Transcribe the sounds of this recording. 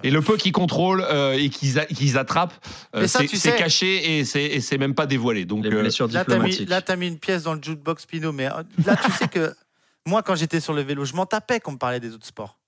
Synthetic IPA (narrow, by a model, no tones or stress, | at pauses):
eləpøkʲikɔ̃t̪χoløekʲʰizakʲizat̪χap | øɛsaɛt̪ysɛɛkaʃeesɛːsɛmɛmpad̪evwaled̪ɔ̃klesyʁd̪iatlammaiiklt̪yamiːnpjɛsd̪ɑ̃ləʒud̪̚bɔkspinomɛ̰lat̪ysɛkə | mwakɑ̃ʒet̪ɛsyʁləveloʒəmɑ̃t̪apɛkɑ̃məpaʁlɛd̪ezot̪χspɔ̰ːʁ